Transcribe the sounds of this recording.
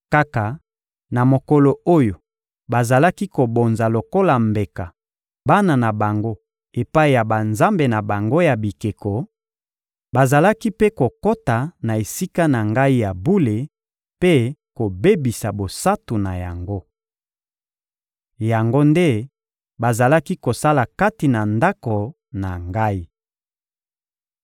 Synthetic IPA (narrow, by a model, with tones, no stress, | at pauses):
ka˦ka˨ | na˨mo˨ko˨lo˨o˦jo˨ | ba˨za˨la˦ki˦ko˨bo˨nza˨lo˨ko˦la˨mbe˨ka˨ | ba˦na˨na˨ba˨ŋɡo˦ | e˨pa˦i˨ja˨ba˨nza˦mbe˨na˨ba˨ŋɡo˦ja˨bi˨ke˨ko˨ | ba˨za˨la˦ki˦pe˦ko˨ko˦ta˨na˨e˨si˦ka˦na˨ŋɡa˦i˦ja˨bu˦le˨ | pe˦ko˨be˦bi˨sa˨bo˨sa˦tu˨na˨ja̰˨ŋɡo˦ | ja˨ŋɡo˦nde˦ | ba˨za˨la˦ki˦ko˨sa˦la˨ka˦ti˨na˨nda˦ko˨ | na˨ŋɡa˦i˦